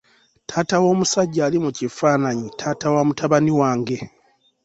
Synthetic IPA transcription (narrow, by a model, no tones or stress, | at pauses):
tʰaːtawo̞ːmusaɟːaːlimucifaːnaɲitʰaːtawaːmutaβaniwaːŋɡe̞